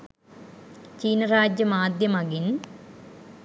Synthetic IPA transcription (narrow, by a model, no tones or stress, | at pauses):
t͡ɕiːnɐraːd͡ʑjɐmaːd̪jɐmɐɡin